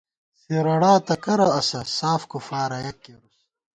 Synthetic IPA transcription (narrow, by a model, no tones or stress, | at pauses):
seɾɐɽaːt̪ɐkɐɾɐɐsɐsaːfkufaːɾɐjɐkːeɾus